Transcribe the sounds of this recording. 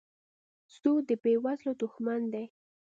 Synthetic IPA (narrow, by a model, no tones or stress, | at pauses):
sud̪əbewazlod̪ʊxmand̪aj